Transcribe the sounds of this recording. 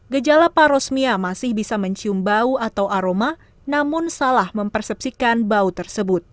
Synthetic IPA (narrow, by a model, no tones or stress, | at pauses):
ɡəd͡ʒalapaɾɔsmiamasɪhbisaməɲt͡ʃiumbauat̪awʔaɾoma | namʊnsalahməmpərsɛp̚sikanbaut̪ərsəbʊt̪̚